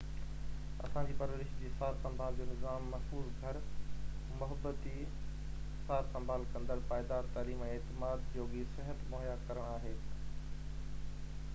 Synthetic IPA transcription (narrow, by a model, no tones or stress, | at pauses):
ɐ̰sãd͡ʑiːpɐɾʋəɾɪʃd͡ʑiːsaːɾsɐ̃mbʱaːld͡ʑoːnɪzaːmːɐsɦuːlɡʱɐɾ | mʊɦəbət̪i | saːɾsɐ̃mbʱaːlkɐ̃nd̪əɾpaːɪd̪aːt̪aːliːmɛ̃ːeːt̪ɪmaːd̪joːɡisɪɦət̪moːɦjakɐɾəɽ̃aːɦeː